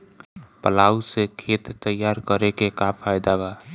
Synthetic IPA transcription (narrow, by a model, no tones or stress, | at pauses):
pəlaːusekʰet̪ːəjːaɾkəɾekekapʰajd̪aba